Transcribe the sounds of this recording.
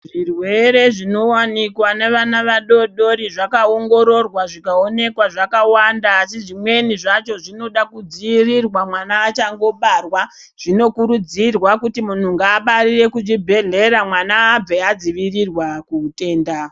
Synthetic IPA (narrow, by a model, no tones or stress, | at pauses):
ʐirwe̞ɾe̞ʐino̞wanikwane̞ʋanaʋaɗo̞ɗo̞ɾiʐakaoŋɡo̞ɾo̞rwaʐikao̞ne̞kwaʐakawandaːsiʐimwe̞niʐat͡ʃo̞ʐino̞ɗakud͡ziirirwamwanaːt͡ʃaŋɡo̞ɓarwa | ʐ̥ino̞kuɾud͡zirwakutimun̤uŋɡaːɓaɾire̞kud͡ʒibʱe̞ɮe̞ɾamwanaːb͡vead͡ziʋirirwakuːte̞ːnda